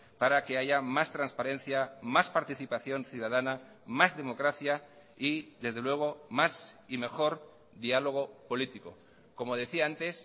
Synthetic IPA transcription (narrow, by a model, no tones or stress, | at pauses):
paɾake̞aʝamast̪ɾãnspaɾe̞n̟θjamaspaɾt̪iθipaθjo̞nθjuð̞aðana | mazðe̞mo̞kɾaθja | iðe̞zðe̞lwe̞ɣ̞o̞masime̞xo̞ɾ | ðialo̞ɣ̞o̞po̞lit̪iko̞̰ | ko̞mo̞ð̞e̞θiaant̪e̞s